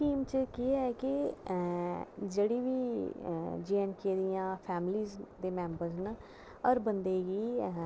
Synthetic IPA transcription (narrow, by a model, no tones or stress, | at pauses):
kiːmt͡ʃkiɛːkɪ | d͡ʒeːɽiːʋiː | d͡ʒiːɛnkeːɾijãːpʰɛːmliːzd̪eːmɛ̃ːmbəɾzn | ɔɾbənd̪eːɡiː